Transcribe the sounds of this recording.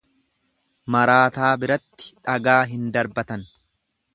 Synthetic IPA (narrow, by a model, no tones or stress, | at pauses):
mɐɾaːt̪aːbɪɾɐt̪ːɪ̥ᶑɐɡaːɦɪnd̪ɐɾbɐt̪ɐn